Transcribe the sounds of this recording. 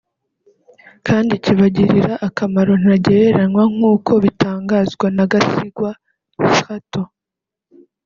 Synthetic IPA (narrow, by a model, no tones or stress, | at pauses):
kaːndiciβaɟiɾiɾaʔːkamaɾo̞n̥aɟeɾeɾanwaŋ̥uːko̞βitʰaːŋɡazɡwanaɡasiɡwa | uxato